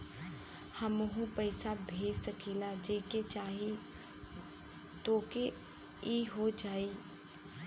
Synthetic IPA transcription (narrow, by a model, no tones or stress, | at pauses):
həmʊɦũpəːɪsabʱeːd͡ʒsəkʰiːlad͡ʒeːket͡ʃaːɦi | t̪oːke | iːɦod͡ʒaːiː